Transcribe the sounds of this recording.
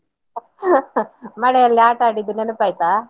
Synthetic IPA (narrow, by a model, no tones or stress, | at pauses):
mɐɽɛjɐlːiaːʈaːɽid̪ːunenupaːjt̪aː